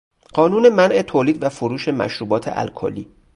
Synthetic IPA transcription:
ɢ̥ɒːnuːne̞mænʔe̞t̪ʰoːliːd̪væfoɾuːʃe̞mæ̰ʃɾuːbɒːt̪ʰḛʔæ̰lkʰo̰liː

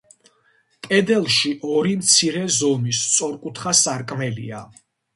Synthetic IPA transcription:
kʼɛd̪ɛlˠʃiʔɔɾimt̪sʰiɾɛzɔmist̪sʼɔɾkʼut̪ʰχasaɾkʼmɛlḭa

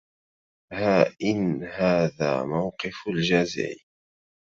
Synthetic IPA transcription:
haʔɪnhaːða̰ːmawqɪfld͡ʒaːzɪ̰ʕi

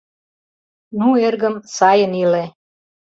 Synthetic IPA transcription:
nuerɣə̆msɑjənile

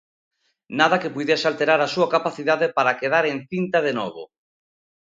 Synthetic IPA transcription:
naðɐkepujðjesalt̪eɾaɾasuakapaθiðaðepaɾakeðaɾeŋθint̪að̞enɔβʊ̰

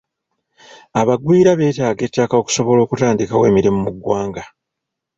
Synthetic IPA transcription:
aβaɡwiːɾaβe̞ːtaːɡe̞ːtːakao̞ku̥so̞βo̞lo̞ːkutaːndikawe̞ːmiɾimumuɡwaːŋɡa

